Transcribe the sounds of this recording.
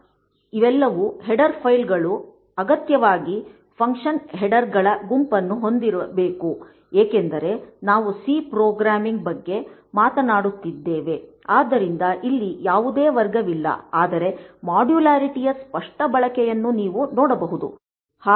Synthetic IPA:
iʋɛlːɐʋuɦɛɖɐɾpʰɐjlɡɐɭu | ɐɡɐt̪jɐʋaːɡi | pʰɐŋkʂɐnɦɛɖɐɾɡɐɭɐɡumpɐnːuɦo̞nd̪iɾɐbe̞ːku | eːkend̪ɐɾe̞naːʋusipɾoːɡɾaːmiŋɡ̚bɐɡːe̞maːt̪ɐnaːɽut̪ːid̪ːeːʋe̞aːd̪ːɐɾind̪ɐʔilːijaːʋud̪eːʋɐɾɡɐʋilːɐ̰aːd̪ɐɾe̞maːɖjulaːɾiʈijɐspɐʂʈɐbɐɭɐkɛjɐnːuniːʋunɔːɽɐbɐɦud̪ṵ | haː

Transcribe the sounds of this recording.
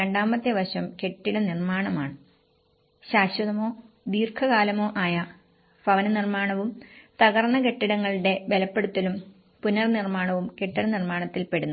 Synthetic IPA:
eɳɖaːmbɐt̪ːjɐʋɐɕɐmke̞ʈːiɽɐnirmaːɳɐmaːɳɨ | ɕaːɕwɐðɐmo̞ː | d̪iːrkʰɐɣaːlɐmo̞ːʔaːjɐ | fɐʋɐnɐnirmaːɳɐʋumt̪ɐɣɐrnːɐke̞ʈːiɽɐŋːɐɭiɽe̞ʋe̞lɐpːe̞ɽut̪ːɐlum | punɐrnirmaːɳɐʋumke̞ʈːiɽɐnirmaːɳɐt̪ːilpe̞ɽunːu

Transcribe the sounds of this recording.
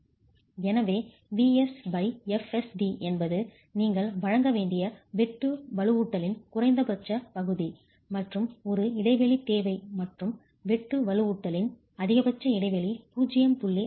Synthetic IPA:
ɛnɐʋeː | ʋiːɛsbɐɪɛfɛsɖiʔɛnbɐðɯ | niːŋɡɐɭʋɐɻɐŋɡɐʋeːɳɖɪjɐʋɛʈːɯʋɐɭɯuːʈːɐlɪnkʊrɐɪnd̪ɐpɐt͡ʃːɐpɐɣɯði | mɐʈrɯmɔɾɯɪɽɐɪʋɛɭit̪eːʋɐɪmɐʈrɯm | ʋɛʈːɯʋɐɭɯuːʈːɐlɪn | ɐðɪɣɐbɐt͡ʃːɐɪɽɐɪʋɛɭipuːd͡ʒɪjɐmpʊɭːi

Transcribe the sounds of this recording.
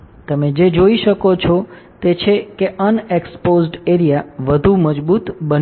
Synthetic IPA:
t̪əmed͡ʒed͡ʒoiʃəkot͡ʃʰɔ | t̪et͡ʃʰekeʔənekspozɖeɾijaʋəd̪ʱuməd͡ʒbut̪bən

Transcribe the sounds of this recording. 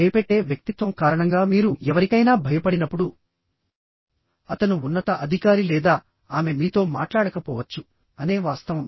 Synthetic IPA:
ɐjɐpeʈːe̞ːʋjɐk̚t̪it̪ʋɐmkaːɾɐɳɐŋɡaːmiːɾuɛʋɐɾikɐjnaːbʱɐjɐpɐɽinɐpːuɽu | ɐt̪ɐnuːnːɐt̪ɐʔɐd̪ʱikaːɾilɛːd̪aː | aːme̞miːt̪o̞ːma̰ːʈlaːɽɐkɐpɔːʋɐt͡ʃːu | ɐne̞ːʋaːst̪ɐʋɐm

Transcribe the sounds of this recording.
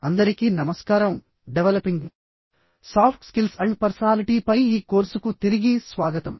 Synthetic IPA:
ɐnd̪ɐɾikiːnɐmɐskaːɾɐm | ɖeʋelɐpiŋɡ | saːpʰʈskilsɐɳɖpɐɾsɐnaːliʈiːpɐjiːkoːɾsukut̪iɾiɡisʋaːɡɐt̪ɐm

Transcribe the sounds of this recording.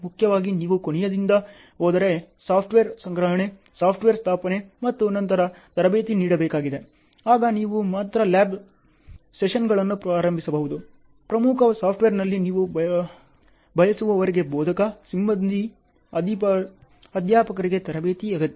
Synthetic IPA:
mukʰjɐʋaːɡiniːʋukoɳɛjɐd̪ind̪ɐ | oːd̪ɐɾesaːpʰʈʋeɾsɐŋɡɾɐɦɐɳe̞ | saːpʰʈʋeːɾst̪ʰaːpɐne̞mɐt̪ːuɐnɐnt̪ɐɾɐt̪ɐɾɐbeːt̪iniːɽɐbeːkaːɡid̪e̞ | aːɡɐniːʋumaːt̪ɾɐlaːb | seʂɐnɡɐɭɐnːupɾaːɾɐmbʱisɐbɐɦud̪u | pɾɐmukʰɐsaːp̚ʰʈʋeːɾnɐlːiniːʋu | bʱɐjɐsuʋɐʋɐɾiɡe̞boːd̪ʱɐkɐsimbɐnd̪ʱi | ɐd̪ipɐ | ɐd̪jaːpɐkɐɾiɡe̞t̪ɐɾɐbeːt̪iɐɡɐt̪ːi

